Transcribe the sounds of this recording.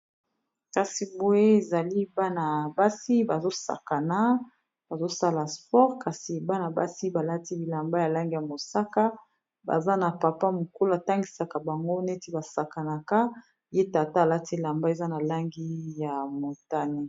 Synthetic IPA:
ka˨si˨bo˦e˦e˨za˨li˦ba˦na˨ba˦si˦ba˨zo˦sa̰˨ka˨na˦ | b̥a˨zo˦sa˦la˨spɔ˦ʁka˨si˨ba˦na˨ba˦si˦ba˨la˦ti˦bi˨la˨mba˦ja˨la˦ŋɡi˦ja˨mo˨sa˦ka˦ | ba̰˨za˦na˨pa˨pa˦mo˨ko˦la˦a˨ta˦ŋɡi˨sa˨ka˨ba˨ŋɡo˦ne˦ti˦ba˨sa˨ka˨na˨ka˦ | je˦ta˨ta˦˨la˦ti˦la˨mba˦e˨za˦na˨la˦ŋɡi˦ja˨mo˨ta˦ne˨

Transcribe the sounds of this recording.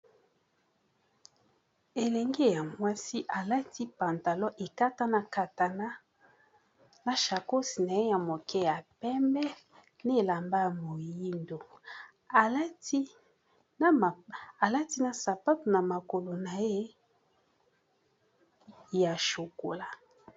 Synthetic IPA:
e˨lɛ˨ŋɡe˦ja˨mwa˦si˦ʔa˨la˦tʰi˦pa˨nta˨lɔ˦ʔe˨ka˦ta˦na˨ka˨ta˨na˦ | na˨ʃa˨ko˦si˨na˨e˦ja˨mo˨kʰɛ˦ja˨pɛ˦mbɛ˦ | n˦e˦˨la˨mba˦a˨mo˨ji˦ndo˨ | a˨la˦ti˦˨ | a˨la˦ti˦na˨sa˨pa˦tu˨na˨ma˨ko˨lo˨na˨je˦ | ja˨ʃo˨ko˨la˦

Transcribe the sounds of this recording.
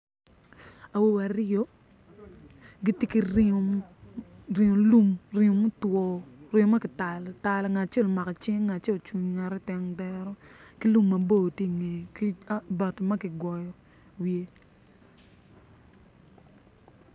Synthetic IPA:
a˨wo˦wa˨ro˦ | ɡi˦tɪ˦ki˨rɪo˨ | rɪ˨ŋo˨lu˦m | rɪ˨o˨mu˦twɔ˨ | rɪ˨o˦ma˦kɪ˨ta˨lta˨lɔ˨ŋa˨t͡ʃe˦˨lma˨kɔ˨t͡ʃe˦ŋŋa˨t͡ʃe˦˨lt͡ʃu˨ɲŋa˨ɾɛ˦tɛ˨ŋbɛɾɔ˦ | ki˦lu˦mːɐ˨bo˨tje˦˨ŋe˨ki˦ba˨tma˦kɪ˨ɡwɔ˨jɔ˨ | wje˦

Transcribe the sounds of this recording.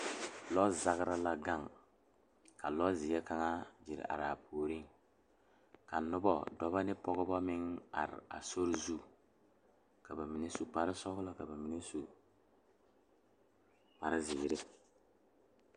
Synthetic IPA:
lɔ˦za˦ɡɾa˦la˦ɡa˦˨ŋ | ka˨lɔ˦zɪ˨jɛ˦ka˦ŋa˦d͡ʒɪ˨ɾ̰a̰˨ɾa˨pʰoː˨ɾi˦ŋ | ka˨nʊ˦bɔ˦˨dɔ˦ba˦nɪ˦pɔ˦ɡɔ˦bɔ˦mɪ˦ŋa̰˨ɾɪ̰˨a̰˨so˦ɾzu˦˨ | ka˨ba˨mi˨ne˦su˨pa˦ɾɪ˦sɔ˦klɔ˦ka˨ba˨mi˨ne˦su˨ | pa˨ɾɪ˦zɪ˨ɾɪ˦

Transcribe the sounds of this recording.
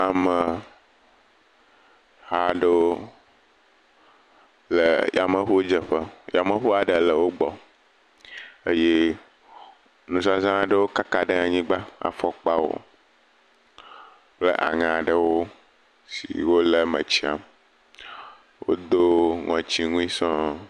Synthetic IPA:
a˨mə˨ | ha˦˨ɖə˦wo˦ | lə˨ja˨mə̃˨ɸo˦d͡ʒə˨ɸə˦ja˨mə̃˨ɸo˦a˨ɖə˨lə˨wo˦ɡ͡bɔ˨ | ə˦je˦ | nũ˨sa˦zã˦ɖə˦wo˦ka˦ka˦ɖə˦a˨ɲĩ˦ɡ͡ba˦a̰˨fɔ˦k͡pa˦wo̰˦ | k͡plə˦ʔa̰˨ŋã˨ɖə˦wo˦ | sḭ˨wo˦lə˨mə̰̃˨t͡ɕi˦a̰˨m | wo̰˦d̪o˦ŋɔ̃˨t͡ɕi˦ŋũ˦ĩ˦sɔ̃˦

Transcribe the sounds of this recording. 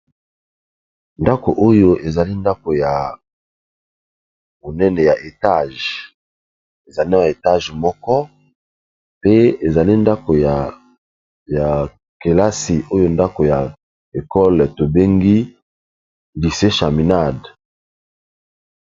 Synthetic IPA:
nda˦ko̰˨ʔo˦jo˦ʔe˨za˨li˦nda˦ko˨ja˨ | bo˨nɛ˦nɛ˨ja˨ʔe˨ta˦˨ʒ | e˨za˨li˦a˨e˨ta˦ʒmɔ˦kɔ˦ | pe˦e˨za˨li˦nda˦ko˨ja˨ | ja˨ | ke˨la˦si˨ʔo˦jo˦nda˦ko˨ja˨ | e˨kɔ˦lto˨be˦ŋɡi˦ | di˨se˦ʃa˨mi˨na˦˨d

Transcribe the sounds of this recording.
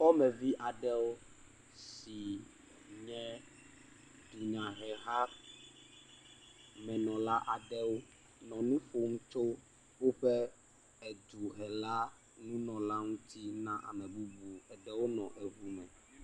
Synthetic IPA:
fɔ˦mɛ̃˨vi˦ʔa˨ɖɛ˦wo˦ | si˨ | ɲɛ̃˦ | d̪u˨ɲã˨ɦɛ˨ɦa˦ | mɛ̃˨nɔ̃˨la˦ʔa˨ɖɛ˦wo˦ | nɔ̃˨nũ˦fo˨mũ˦t͡ʃo˦ | wo˦ɸɛ˦ | ɛ˨d̪u˨ɦɛ˨la˦ | nũ˦nɔ̃˨la˦ŋũ˦t̪i˦nã˦ʔa̰˨mɛ̃˨bu˦bu˨ɛ˨ɖɛ˦wo˦nɔ̰̃˨ʔɛ˨ɦu˦mɛ̰̃˨

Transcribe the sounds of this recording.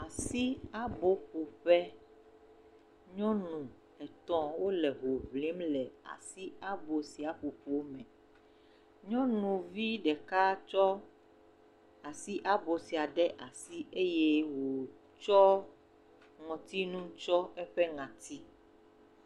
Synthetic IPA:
a˨si˦a˦bo˦ɸu˨ɸɛ˦ | ɲɔ̃˦nũ˨ | ɛ˨t̪ɔ̃˦wo˦lɛ˨ɦo˨vlĩ˨˦mlɛ˨a̰˨si˦a˦bo˨si˨a˨ɸo˨ɸo˨˦mɛ̃˨ | ɲɔ̃˦nũ˨vi˦ɖɛ˨ka˦t͡ʃɔ˦ | a˨si˦ʔa˦bo˨si˨a˨ɖɛ˦ʔa˨si˦e˦je˦wo˨ | t͡ʃɔ˦ | ŋɔ̃˨t̪i˦nũ˦t͡ʃɔ˦ɛ˦ɸɛ˦ŋã˨t̪i˦

